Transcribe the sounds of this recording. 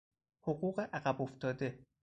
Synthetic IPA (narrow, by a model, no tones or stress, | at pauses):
hoɢuːɢe̞ʔæɢæbo̞ft̪ʰɒːd̪e